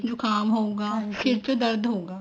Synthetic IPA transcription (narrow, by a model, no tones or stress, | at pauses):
d͡ʒokaːmɦõːɡaːfɪɾt͡ʃod̪ɐɾd̪ɦõːɡaː